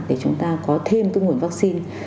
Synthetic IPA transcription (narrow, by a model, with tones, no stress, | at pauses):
t̚ɗe˧˩t͡ɕʊ˨˦ŋ͡mt̪aː˧kɔ˨˦t̪ʰe˧mt̪ŋ͡mhu˧˩ənvaː˦˥k̚si˧n